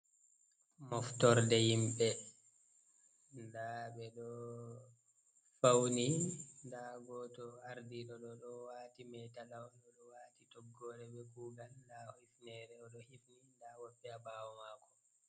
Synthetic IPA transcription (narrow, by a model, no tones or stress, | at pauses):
mɔftɔɾdɛjimɓɛ | ndaɓɛɗɔ | fawnindaɡɔtɔaɾdiɗɔɗɔɗɔwaːtimɛtalawɗɔɗɔwaːtitɔɡːɔːɾɛɓɛɡuːɡalndahifnɛɾɛɔɗɔhifnindawɔɓːɛabawɔmaːkɔ̥